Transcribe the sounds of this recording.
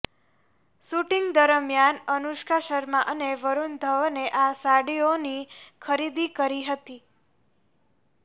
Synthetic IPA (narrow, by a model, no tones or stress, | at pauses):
suʈiŋɡd̪əɾəmjanənuʃkaʃəɾmãʔəneʋəɾund̪ʱəʋneʔasaɽionikʰəɾid̪ikəɾiɦət̪i